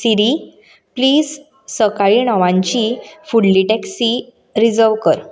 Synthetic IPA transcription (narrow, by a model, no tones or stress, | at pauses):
siɾi | pliːz | səkaɭiːɳɔʋãɲt͡ɕifuɽliʈɛksi | ɾid͡zəɾʋkəɾ